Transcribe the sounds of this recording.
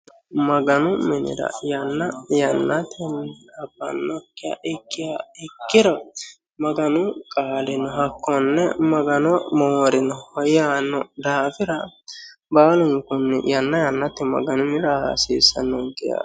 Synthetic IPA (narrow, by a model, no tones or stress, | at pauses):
mɐɡɐnʊmɪnɪ̰ɾɐ̰jɐnːɐjɐnːɐt̪ʰɪnɐbːɐ̰nːɔkːɪjɐ̰ʔɪkːɪjaɪkːɪɾɔ | mɐɡɐnʊkʼaːlɪnɔɦɐkːɔnːɛmɐɡɐnɔmoːɾɪnɔhɔjaːnɔd̪aːfɪɾɐ | baːlʊŋkʊnːɪ̰jɐnːɐjɐnːɐt̪ːɪmɐ̰ɡɐnʊmɪɾɐha̰siːsɐ̰nːɔŋkɪja̰